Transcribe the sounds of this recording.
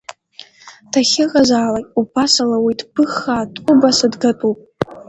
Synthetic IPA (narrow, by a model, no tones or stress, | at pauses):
tʰaχʲɪqʼazaːlaubasalawijtʰʼb̥ɨχatʼʷʊbasadɡatʼupʼ